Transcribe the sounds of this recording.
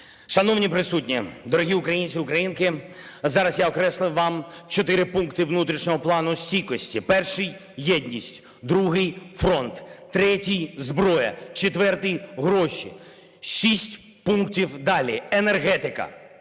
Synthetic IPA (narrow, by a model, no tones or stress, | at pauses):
ʃɐnɔwnʲipɾɪsutʲnʲid̪ɔɾɔɦʲiʊkɾɐjinʲsʲiʊkɾɐjinkɪzɑɾɐsjaɔkɾɛslˠɪwʋɑmt͡ʃɔt̪ɪɾɪpunkt̪ɪʋnut̪ɾʲiʃnʲɔɦɔplˠɑnʊsʲtʲikɔsʲtʲipɛrʃɪj | jɛdʲnʲisʲtʲ | d̪ɾuɦɪjfɾɔnt̪ːɾɛtʲijzbɾɔjɐ̰t͡ʃet̪ʋɛrt̪ɪjɦɾɔʃʲḭ | ʃisʲtʲ | punk̚tʲiwd̪ɑlʲienerɦɛt̪ɪkɐ̰